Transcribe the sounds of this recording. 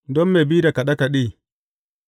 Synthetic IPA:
dɔ˦mːe˨bi˦da˨ka˨ɗa˦ka˨ɗiː˦˨

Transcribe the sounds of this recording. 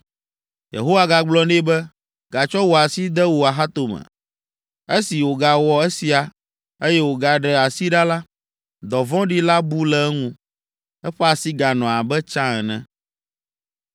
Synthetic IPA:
jḛ˨ɦo˦wa˨ɡa˨ɡ͡blɔ˦nẽ˦bɛ˦ | ɡ̥a˨t͡ʃɔ˦wo˨a˨si˦d̪ɛ˦wo˨a˨ɦa˦t̪o˨mɛ̰̃˨ | e˦si˨wo˨ɡa˨wɔ˨ɛ˦si˨a˨ | e˦jɛ˦wo˨ɡa˨ɖɛ˨a˨si˦ɖa˦la˦ | d̪ɔ˨vɔ̃˦ɖi˦la˦bu˦lɛ˨ɛ˦ŋũ˦ | ɛ˦ɸɛ˦a˨si˦ɡa˨nɔ̃˨a˨bɛ˦t͡ʃã˦ɛ˨nɛ̰̃˦

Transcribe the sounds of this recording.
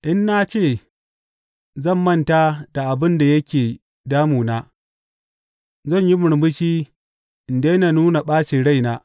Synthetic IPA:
ʔɪ˦nːa˦t͡ʃeː˦˨ | zɐ˦˨mːɐ˦ntaː˦d̥a˨ʔa˨bɪ˦nda˨jɐ˦kʲeː˨ | daː˦muː˨naː˦ | zɐ˦˨ɲji˦mʊ˨ɽmbʊ˦ʃiː˦ | ʔɪ˨n˨de˦na˨nuː˦na˨ɓaː˦ʃi˨ɽa˦˨jnaː˦

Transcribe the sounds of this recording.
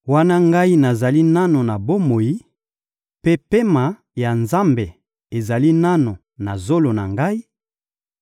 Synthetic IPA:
wa˦na˦ŋɡa˦i˦na˨za˨li˦na˦no˨na˨bo˦mo˨ji˦ | pe˦pe˦ma˨ | ja˨nza˦mbe˨ | e˨za˨li˦na˦no˨ | na˨zo˦lo˨na̰˨ŋɡa˦i˦

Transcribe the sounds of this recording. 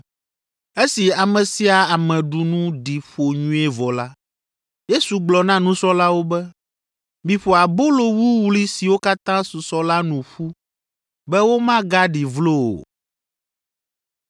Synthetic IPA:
e˦si˨a˨mɛ̃˨si˦a˨a˨mɛ̃˨ɖu˨nũ˦ɖi˨ɸo˨ɲũ˦ɛ˦vɔ˨la˦ | je˦su˨ɡ͡blɔ˨nã˦nũ˦sɔ˦la˦wo˦bɛ˦ | mĩ˨ɸo˨a˨bo˦lo˨wu˦wu˦li˦si˨wo˦ka˦t̪ã˦su˨sɔ˦la˦nũ˨ɸu˦ | bɛ˦wo˦mã˦ɡa˦ɖi˨vlo˦o̰˨

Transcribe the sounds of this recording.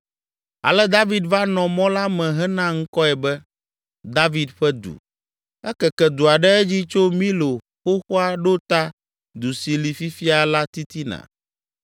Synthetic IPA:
a̰˨lɛ˦d̪a˦vi˦d̪va˦nɔ̃˨mɔ̃˦la˦mɛ̃˨ɦɛ˦nã˦ŋ̩˦kɔ˦ɛ˨bɛ˦ | d̪a˦vi˦d̪ɸɛ˦d̪ṵ˨ | ɛ˦kɛ˨kɛ˨d̪u˨a˨ɖɛ˦ɛ˦d͡ʑi˦t͡ʃo˦mĩ˦lo˨ | xo˦xo˦a˦ɖo˦t̪a˦ | d̪u˨si˨li˨fi˦fi˦a˨la˦t̪i˦t̪i˦nã̰˨

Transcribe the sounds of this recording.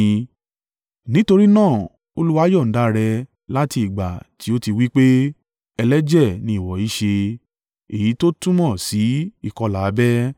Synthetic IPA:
nĩ˦to˧ɾi˦nãː˦˨ | o˧lu˦wa˦jɔ˦˨n̩˨˦da˦ɾɛ˧ | la˦ti˧i˨ɡ͡ba̰˨ti˨˦o˦ti˧wi˦k͡pe˦ | ɛ˧lɛ˦d͡ʒɛ˦˨nĩ˧i˨wɔ˨˦i˦ʃe˧ | e˨ji˨˦to˦tũ˦mɔ̃˦˨si˨˦i˦˨kɔ˧laː˨˦bɛ˦

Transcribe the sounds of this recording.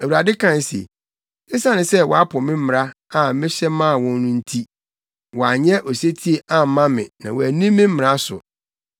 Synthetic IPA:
æ˨wu˨ɾa˨dɪ˦kʰã˨n˨sḛ˨ | ɪ˦sa˦nɪ̃˨sɛ˦wɔ̰˨a˦pʰʊ˨mɪ̃˦m̩˦m˨ɾa˦ | a˨˦mɪ̃˦ɕɛ˦mã˦˨wɔ̃˦n˦nʊ̃˦n̩˦tʰi˦ | wɔ˨a˨ɲɛ˦ʔɔ˨se˦tʰi˦e˨ʔa˦m̩˨˦mã˦mɪ̃˨nã̰˨wæ˨nĩ˦mː˦ɪ̃˦m̩˦mɪ̃˨ɾa˦sʊ̰˨

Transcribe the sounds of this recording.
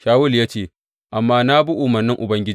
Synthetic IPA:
ʃaː˦wʊ˦ljaː˦t͡ʃeː˦˨ | ʔa˨mːaː˦na˦bu˦ʔʊ˨mɐ˨rnːɪ˦ŋʔʊ˨bɐ˦ŋɡʲɪ˦

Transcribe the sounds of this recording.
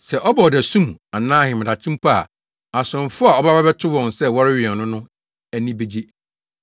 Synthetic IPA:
sɛ˨ʔɔ˦ba˨ɔ˨dɛ˨sũ˦ma˨nãː˦hɪ̃˨mɪ̃˨a˨t͡ɕʰĩ˦m˦pʰa˦a̰˨ | a˨sʊ̃˨n˨fʊ˦a˨ɔ˦ba˦ba˦bɛ˦tʰʊ˦wɔ̃˨nsɛ˦wɔ˦ɾɪ˦ɥɪ˨ɛ˨nnːʊ̃˦nʊ̃˦ | æ˦nĩ˦be˦d͡ʑe˦

